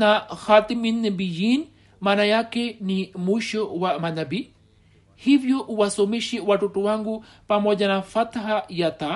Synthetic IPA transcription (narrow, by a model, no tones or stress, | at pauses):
naxat̪iminːəbijin | manajakenimuʃowaʔmanabi | hibjoʔuwasomiʃiwaʈuʈuwaŋɡu | pamod͡ʒanafat̪aɦajat̪a